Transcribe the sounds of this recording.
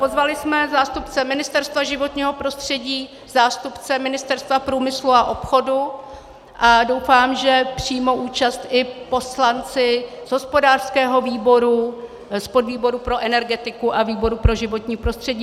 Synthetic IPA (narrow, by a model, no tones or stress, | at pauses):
po̞zvalɪsmɛzaːst̪upt͡sɛmɪnɪst̪ɛɾst̪vaʒɪvo̞t̪ɲiːɦo̞pɾo̞st̪r̝̥ɛɟiː | zaːst̪upt͡sɛmɪnɪst̪ɛɾst̪vapɾuːmɪsluaʔo̞pxo̞du | ʔadowfaːmʒɛpr̝̥iːmowʔuːt͡ʃast̪ʔɪpo̞slant͡sɪzɦospo̞daːr̥skɛːɦo̞viːbo̞ɾu | spodviːbo̞ɾupɾo̞ʔɛnɛɾɡɛt̪ɪkuʔaviːbo̞ɾupɾo̞ʒɪvo̞t̪ɲiːpɾo̞st̪r̝̥ɛɟiː